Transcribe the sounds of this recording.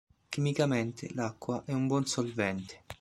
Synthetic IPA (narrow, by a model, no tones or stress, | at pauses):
k̟imikament̪ḛlakːwaʔɛumbwɔnsolvɛnt̪e̥